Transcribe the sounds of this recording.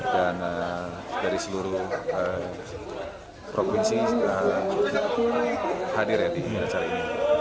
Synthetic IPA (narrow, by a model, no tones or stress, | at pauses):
kanadaɾisəluɾʊhə | pɾofinsiə | hadɪrjadinijat͡ʃalini